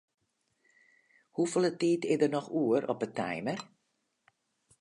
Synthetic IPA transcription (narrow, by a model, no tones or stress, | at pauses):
hufəlˠətiːtɪdərnɔxuəɾʔɔpətʰɛ̰jmər